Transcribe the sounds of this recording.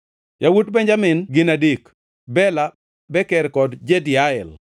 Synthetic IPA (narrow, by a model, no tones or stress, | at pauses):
jawutbeɲd͡ʒamɪnɡɪnadik | bɛla | bɛkɛɾkɔdd͡ʒedɪaɛl